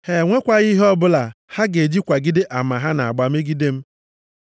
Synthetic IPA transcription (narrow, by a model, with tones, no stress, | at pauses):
he˨ŋʷe˦kʷa˦ɣi˦ɦɔ˦bʊ˦la˨ha˦ɡe˨d͡ʒi˦kʷa˨ɡɪ˦dɪ˦ʔa˨ma˨ɦa˦na˨a˨ɡ͡ba˦m̩˦e˦ɡi˦de˦m̩˦